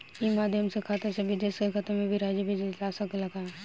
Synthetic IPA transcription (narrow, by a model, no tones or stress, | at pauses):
imaːd̪ʱjəmsekʰaːt̪esebʱɪd͡ʒeːskekʰat̪emẽbʱiɾaːd͡ʒjəbʱid͡ʒeaːsɐkelɐɡaɛ